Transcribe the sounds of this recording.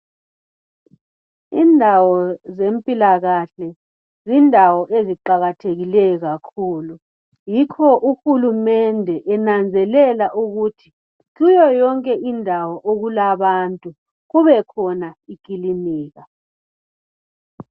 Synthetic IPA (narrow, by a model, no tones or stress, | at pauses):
indʱawɔzempʼilaɣaɬɛ | zindʱawɔʔeziǃaɣatʰeɣilɛjɔɣakʰuːlu | jikʰɔʔuxulumɛndʱɛʔɛnand͡zʱɛlɛlaʔuɣutʰi̥ | kujɔjɔŋkʼɛʔindʱawɔʔoɣulaβantʼu | ɣuβɛkʰɔnaikʼiliniːɣa